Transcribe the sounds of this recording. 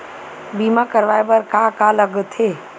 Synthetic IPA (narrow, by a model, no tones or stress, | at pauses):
bimakəɾʋajbəɾkakaləɡt̪ʰe